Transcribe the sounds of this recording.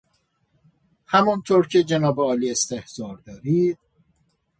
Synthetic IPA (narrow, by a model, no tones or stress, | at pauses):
hæmɔnt̪ʰoːɾcʰed͡ʒenɒːbeɒːliːest̪e̞hz̥ɒːɾd̪ɒːɾiːd̪̥̚